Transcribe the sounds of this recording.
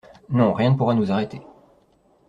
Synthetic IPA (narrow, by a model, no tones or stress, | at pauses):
nɔ̃ʁjɛ̃nəpuʁanuzaʁet̪e